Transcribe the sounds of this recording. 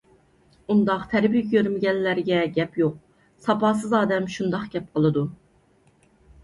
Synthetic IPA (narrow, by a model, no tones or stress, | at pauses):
und̪ɑqt̪ʰɛɾbijkʲʰɡʲøɾmɪɡʲɛnlːæɾɡʲɛɡʲɛpjoq̚ | sɑpɑːs̬ɨzɑːd̪ɛmʃund̪ɑqɡ̥ʲɛp̚qʰəlˠɨd̪u